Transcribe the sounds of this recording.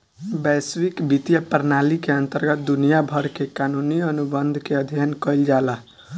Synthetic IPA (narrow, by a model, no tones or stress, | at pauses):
bɛswikbit̪jəpəɾnalikeənt̪əɾɡət̪̚d̪unijabʱəɾkekanuniənubənd̪ʱkeəd̪ʱjənkəɪld͡ʒala